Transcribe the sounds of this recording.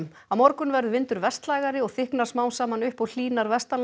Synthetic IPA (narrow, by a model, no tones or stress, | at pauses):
m | amɔɾkʏnvɛɾðʏvɪnt̪ʏɾvɛst̪laːjɣaɾɪɔɣθɪhknaɾ̥smaːwnsaːmanʏhpɔɣl̥iːnaɾvɛst̪an